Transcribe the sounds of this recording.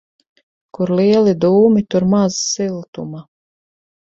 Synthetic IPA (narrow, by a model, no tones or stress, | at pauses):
kuɾliɛlid̪uːmit̪uɾmazsilˠt̪ṵma